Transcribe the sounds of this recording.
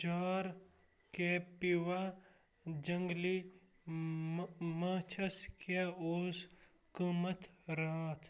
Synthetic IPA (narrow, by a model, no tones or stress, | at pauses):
d͡ʒaːɾ | kepiwa | d͡ʒɐŋɡli | mɐːt͡ʃʰɐskeoːs | kumɐt̪ɾaːt̪ʰ